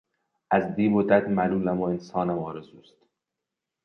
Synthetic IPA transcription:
æzd̪iːbod̪æd̪mæluːlæmoensɒːnæmɒːɾezuːst̪

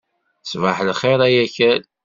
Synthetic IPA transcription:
svaħlχeɾˤæjæçæl

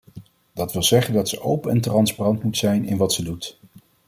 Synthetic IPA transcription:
d̥ɑtʋɪlˠzɛχəndɑtsəʔowpənɛntrɑnsparɑntmutsɛjnɪ̰nʋɑtsədut

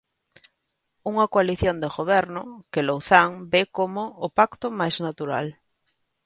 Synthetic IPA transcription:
uŋakwaliθjond̪eɣoβ̞ɛɾnokelowθaŋbekomoːpakt̪omajznat̪uɾa̰l

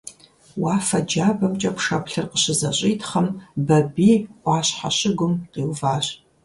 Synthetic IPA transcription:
waːfɐd͡ʒaːbɐmt͡ʃʼɐpʰʂɐpʰɬɨrqəɕɪzɐɕʼijtʰχɐmbɐbiːɑːɕħa̰ɕɪɡʷʊmqiːwvaːɕ

